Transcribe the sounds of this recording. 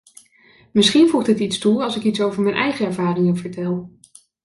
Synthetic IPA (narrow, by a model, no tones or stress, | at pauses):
mɪsχinvuχdɪtitstuɑlˠsɪkitsowvəɹmɛjnʔɛjχəɛɹvaːrɪŋənv̥əɹtɛlˠ